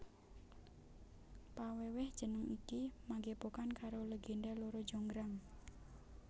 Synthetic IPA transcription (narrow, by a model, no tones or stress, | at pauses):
pawewɪhd̥ʒ̥ə̤nəŋikimaɡepokankaɾoləɡendaloɾo̥d͡ʒoŋɡɾaŋ